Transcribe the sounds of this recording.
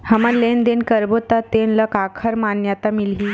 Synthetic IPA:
həməlend̪enkəɾbot̪at̪enləkakʰəɾmanjat̪amilɦiː

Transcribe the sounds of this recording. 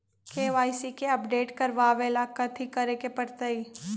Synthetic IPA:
keʋaːisikeɐpɖeːʈkɐɾʋaːʋelaːkat̪ʰikɐɾekepɐɽt̪əiː

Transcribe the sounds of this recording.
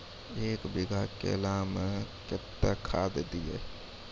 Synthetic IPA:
eːkbɪɡʱakḛlaːmekɪt̪ːakʰaːd̪d̪iḛ

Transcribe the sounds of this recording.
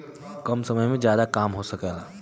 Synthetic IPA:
kɐmsɐməjmẽd͡ʒjaːd̪akaːmɦosɐkalaː

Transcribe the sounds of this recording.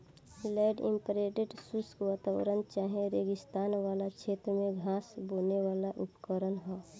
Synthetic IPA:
lɛːɖɪ̰̃mpɾeːɖeʈsuskʋaːt̪aːʋ̰ɾənt͡ʃaːɦẽɾeːɡɪst̪aːnʋaːlat͡ʃʰeːt̪ɾəmẽɡʱaːsboːneʋaːlaʔʊpkəɾənɦɛː

